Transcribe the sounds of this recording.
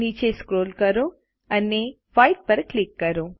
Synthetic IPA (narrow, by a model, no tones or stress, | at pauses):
niːt͡ʃeːskɾoːlkɐɾu | ɐnːe | pʰɐjʈ̚pɐɾklikːɐɾu